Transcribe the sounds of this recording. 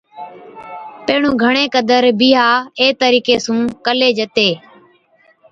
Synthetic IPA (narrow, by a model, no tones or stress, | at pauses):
peːɳũːɡʱəɳ̃ẽːkəd̪əɾbɪːɦaːeːt̪əɾiːkeːsũːkəleːd͡ʒət̪eː